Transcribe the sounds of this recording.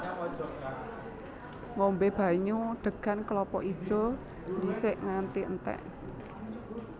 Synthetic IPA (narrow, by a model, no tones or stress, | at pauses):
ŋombeb̥ä̤ɲuɖ̪̥ə̤ɡ̥a̤nklɔpɔ̰ʔi̥ʒ̥ɔ̤ | nisɪʔŋant̪iənt̪ɛ̰ʔ